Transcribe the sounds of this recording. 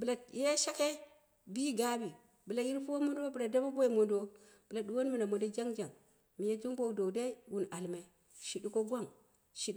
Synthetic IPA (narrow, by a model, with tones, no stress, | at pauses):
bə˨la˨je˦ʃa˦ke˦ | bi˦ɡa˦bi˨ | bə˨la˨i˦ɾpu˦wo˦mo˦ndbə˨la˨da˦ba˦bo˦i˨mo˨ndo˦ | b̥ə˨la˨du˨wo˦n˦mi˨na˨mo˨do˦d͡ʒa˦ŋd͡ʒa˨ŋ | mi˨ja˦tu˦ŋbo˦˨do˨da˦i˦wu˨na˨lme˨ | ʃi˨di˦ko˦ɡwa˦˨ŋ | ʃi˦ɗ